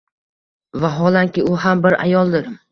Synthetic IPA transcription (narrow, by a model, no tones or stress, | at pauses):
vaɦɒlˠaŋkʲɪʊɦambɪɾa̰jɒlˠd̪ɪɾ